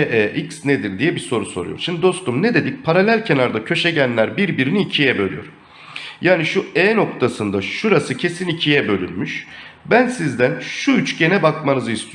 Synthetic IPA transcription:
ʔɛʔiksned̪iɾd̪ijɛbiso̞ɾuso̞ɾṵjo̰ɾʃimd̪id̪o̞st̪ʰumne̞d̪e̞d̪ic̚pʰaɾalʲælʲcʰe̞naɾd̪acʰø̞ʃe̞ɟænlʲæɾbiɾbiɾiniːcʰijɛbø̞lʲy̰jo̰ɾ̥ | jaːniʃuɛːno̞kt̪ʰasɯnd̪aʃuɾasɯcʰe̞sinicʰijɛbø̞lʲynmyʃbænsizd̪ænʃuyt͡ʃɟe̞nɛbakmanɯzist̪ʰi

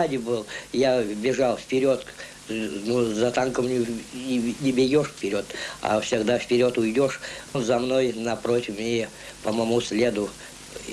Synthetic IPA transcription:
adʲɪbɨlˠjabʲɪʐalˠfʲpʲɪɾʲo̞t̪ | nuzɐt̪ankəmnʲʊ | nʲɪbʲɪɡʲoʂfʲpʲɪɾʲo̞t̪a̰fsʲɪɡd̪afpʲɪɾʲo̞t̪ʊjd̪ʲo̞ʂnzɐmnojnɐpɾot̪ʲɪfmʲɪe | pəmɐmusʲlʲed̪ʊ

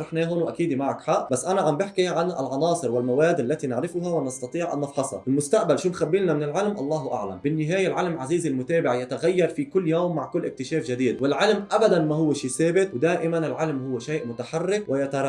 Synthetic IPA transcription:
ɾˤɑħneːɦoːnwʔakiːd̪imaʕakħaʔbasːʔanaʕambɪħkiʕanɪ̰lʕɑnɑːsˤɨɾwɪlmawaːd̪ʔalːat̪inɪʕɾɪfʊɦawɪnɑst̪ɑt̪ˤiːʕʔa̰nːɑfħɑshɑ̰ʔɪlmʊst̪aʔbalʃuːnxabːiːlnamɪnɪlʕɪlmʔɑlˤːɑːhʔa̰ʕla̰mbɪnːɪɦaːjalʕɪlmʕaziːzɪlmʊt̪eːbɪʕjat̪aɣajːɑɾˤfikʊlːjoːmːaʕkʊlːʔɪk̚t̪ɪʃeːfʒɪd̪iːd̪̚wɪlʕɪlmʔabad̪anmaɦʊwːaʃiːseːbɪt̪wd̪aːʔɪmanɪlʕɪlmhʊwːʃeːʔmʊt̪aħɑrːɪkwɪjat̪aɾˤ

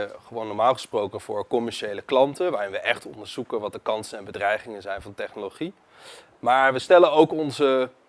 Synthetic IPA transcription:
χəʋownːɔɹmaːlˠχə̥sprowkənv̥ʊːɹkɔmɛɹʃejləklɑntəʋaːrɪnʋəʔɛχtɔ̰ndəɹz̥ukənʋɑt̚dəkɑnsənɛnbədrɛjχɪŋənzɛjnvɑntɛχnoloχi | maːɹʋəstɛlənowkɔnzə

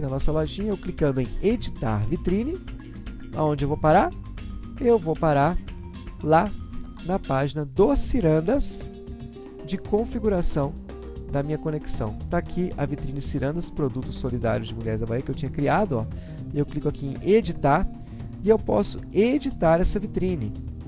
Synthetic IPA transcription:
nɐnɔsɐloʒĩɲɐewklikɐ̃nd̪ʊẽj̃ed͡ʒit̪a̰ɾvit̪ɾĩnɪ | a̰õnd͡ʒɪewvowpaɾaɾ | ewvowpaɾaɾ | la | nɐpaʒinɐd̪osiɾɐ̃nd̪ɐs | d͡ʒɪkõfiɡuɾasɐ̃w̃ | d̪ɐmĩɲɐkoneksɐ̰̃w̃t̪akʰiɐvit̪ɾĩnɪd͡ʒɪsiɾɐ̃nd̪ɐspɾod̪ut̪ʊsolid̪a̰ɾjʊzd͡ʒɪmulʎɛɾzd̪ɐvaiɐkɪewt͡ʃĩɲɐkɾiad̪ʊɔ̰ | ewklikʊakiẽj̃ʔed͡ʒit̪aɾ | ɪewpɔ̰sʊed͡ʒit̪aɾɛsɐvit̪ɾĩnɪ

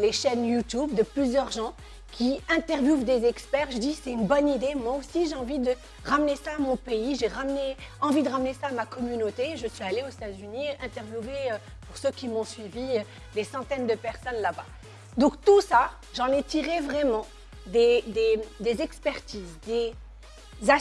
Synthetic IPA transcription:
leʃɛnjut̪ubd̪əplyzjœʁʒɑ̃ | kʲiɛ̃t̪ɛʁvjuvd̪ezɛkspɛʁʒəd̪isɛt̪ynbɔnid̪emwaosiʒeɑ̃vid̪ə | ʁamnesaːmɔ̃peiʒeʁamneɑ̃vid̪əʁamnesaːmakɔmynot̪eʒəsɥialeozet̪azyniʔɛ̃t̪ɛʁvjuveø | puʁsøkʲimɔ̃sɥiviø | d̪esɑ̃t̪ɛnd̪əpɛʁsɔnlaba | d̪ɔ̃kt̪usa | ʒɑ̃nɛt̪iʁevʁɛmɑ̃ | d̪ed̪ed̪ezɛkspɛʁt̪iːzd̪e | za

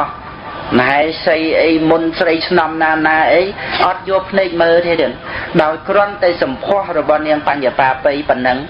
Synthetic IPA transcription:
h | məɦaɛsəjʔəjmunsrəjt͡ɕʰnɑmnaːnaːʔəjʔɑt̪̚jʊəlpʰneːk̚məːlt̪ʰiəɾiənɗaɔjkrŏənt̪aɛsɑmpʰŏəhrɔɓɑhniəŋpaɲapaːpɨjpənːɨŋ

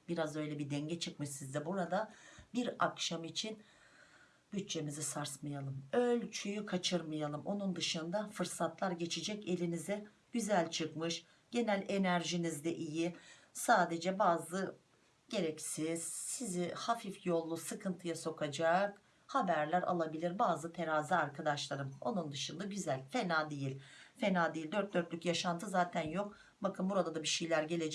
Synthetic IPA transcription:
biɾazø̞jlʲɛbid̪ɛɲɟɛt͡ʃʰɯk̚mɯʃsizd̪ɛbuɾad̪abiɾakʃamit͡ʃʰin | byt͡ʃt͡ʃːe̞mizɛsaɾsmajalˠɯmølʲt͡ʃʰyjykʰat͡ʃʰɯɾmajalˠɯmʔo̞nund̪ɯʃɯnd̪afɯɾsat̪lˠaɾɟe̞t͡ʃʰid͡ʒɛce̞lʲinizɛ | ɟ̥yzælʲt͡ʃʰɯkmɯʃ | ɟ̥e̞nælʲe̞næɾʒinizd̪ɛʔijisaːd̪e̞d͡ʒɛbaːzlˠɯ | ɟ̥e̞ɾɛcsiz̥sizihafifjo̞lˠːusɯkʰɯnt̪ʰɯjaso̞kʰad͡ʒaːk | habæɾlʲæɾʔa̰lˠabilʲiɾbaːzɯt̪ʰe̞ɾazɯaɾkʰad̪aʃlˠaɾɯmo̞nund̪ɯʃɯnd̪aɟyzælʲfe̞naːd̪ejilʲfenaːd̪ejilʲd̪ø̞ɾt̪̚d̪øɾt̪lʲycjaʃant̪ʰɯzaːt̪ʰænjo̞k | bakʰɯnbuɾad̪ad̪abiʃejlʲæɾɟe̞lʲe̞d͡ʒɛ

